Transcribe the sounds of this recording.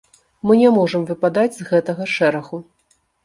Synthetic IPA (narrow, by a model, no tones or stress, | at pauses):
mɨnʲɛmɔʐɐmvɨpad̪ad͡zʲzɣɛt̪ɐɣɐʂɛɾɐɣu